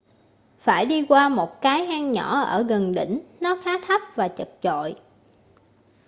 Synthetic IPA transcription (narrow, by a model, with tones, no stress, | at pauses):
faː˧˩jɗi˧kwaː˧mo˨˩t̚kaː˨˦jhaː˧ŋɲɔ˧˩ʔəː˧˩ɣə˨˩nɗḭ̈˧˩˨ŋ̟nɔ˨˦xaː˨˦t̪ʰa˦˥p̚vaː˨˩t͡ɕə˨˩k̚t͡ɕo̰˧˨j